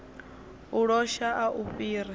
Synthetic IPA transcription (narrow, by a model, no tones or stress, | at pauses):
uɺɔʃaʔaʔuɸiːɾi